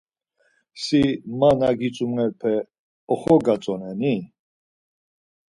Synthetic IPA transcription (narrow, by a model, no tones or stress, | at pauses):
simanaɡit͡sʼumnɛɾpʰɛ | ɔχɔɡat͡sʼɔnɛni